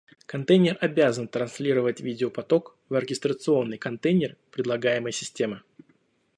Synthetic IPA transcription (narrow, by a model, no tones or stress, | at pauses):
kɐnt̪ejnʲɪrɐbʲazənt̪ɾɐnsʲlʲiɾəvətʲvʲidʲɪopɐt̪o̞k | vərʲɡʲɪst̪ɾət̪sɨo̞nːɨjkɐnt̪ejnʲɪrpɾʲɪd̪lˠɐɡajɪməjsʲɪsʲtʲe̞mɨ